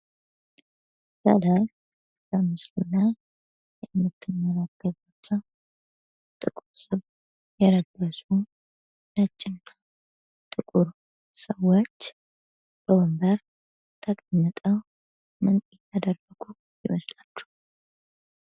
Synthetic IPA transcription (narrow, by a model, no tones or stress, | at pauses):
zə̰laj | bəmɨslulaj | jɛmːɨt̪ʰːɨmːəlaɡəβot͡ʃːəw | t̪ʼɨkʼuɾsɨβ | jɛləɡːəsu | nət͡ʃʼːɪnt̪ʰa | t̪ʼɨkʼuɾ | səwot͡ʃː | b̥əwɔmbəɾ | t̪ʰəkʼəmːət̪ʼəw | mɨnjɛt̪ːad̪ərːəɡu | jɪ̰məslalːu̥